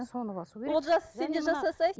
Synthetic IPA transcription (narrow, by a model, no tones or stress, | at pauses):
sonwolˠʒɑsə̥se̞nd̪eɾʒɑsɑsɑj